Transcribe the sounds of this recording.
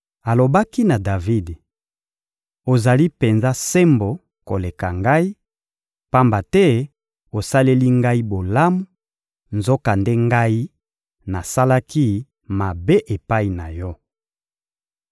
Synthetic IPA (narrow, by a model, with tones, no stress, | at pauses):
a˨lo˨ba˦ki˦na˨da˨vi˦d | o˨za˨li˦pe˨nza˦se˦mbo˨ | ko˨le˨ka˨ŋɡa˦i˦ | pa˦mba˨tɛ˦ | o˨sa˦le˦li˦ŋɡa˦i˦bo˨la˦mu˦ | nzo˦ka˨nde˦ŋɡa˦i˦ | na˨sa˦la˦ki˦ | ma˨be˦ʔe˨pa˦i˨na˨jɔ˦